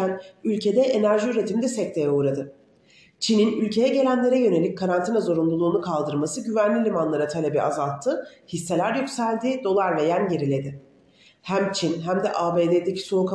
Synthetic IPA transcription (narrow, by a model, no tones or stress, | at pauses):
ænylʲcʰe̞d̪ɛʔenæɾʒiyɾe̞t̪ʰimd̪ɛsɛc̚t̪ʰe̞jɛuːɾad̪ɯ | t͡ʃʰininylʲcʰe̞jɛɟe̞lʲænlʲe̞ɾɛjø̞ne̞lʲic̚kʰaɾant̪ʰinazo̞ɾumlˠulˠuːnukʰalˠd̪ɯɾmasɯɟyvænlʲilʲimanlˠaɾat̪ʰalʲebiʔazalˠt̪ʰːɯhisːe̞lʲæɾjycsælʲd̪iːd̪o̞lˠaɾve̞jænje̞ɾilʲe̞d̪ɪ | hæmt͡ʃʰinɦæmd̪ɛʔaːbeːd̪ed̪ecʰi̥sonukʰa